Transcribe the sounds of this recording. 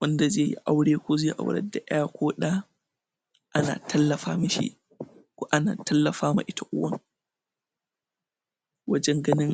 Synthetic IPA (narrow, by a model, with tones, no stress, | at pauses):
wɐ˦nda˨zeː˦˨jḭ˦ʔa˦wɽeː˦kʷo˦zeː˦˨ʔa̰˨wɽɐ̰˦da˨ʔɛ˦ja˦kʷoː˦ɗa˦ | ʔa˦na̰ː˨tʰɐ˦lːɐ˨ɸaː˦mɪ˦ʃḭ˦ | kʷo˨ʔa˦na̰ː˨tɐ˦lːɐ˨ɸaː˦ma̰˨ʔɪ˦tʰa˨ʔʊ˦wɐ˦ŋ | wɐ˦d͡ʒɛ˦ŋɡɐ˦nɪ˦ŋ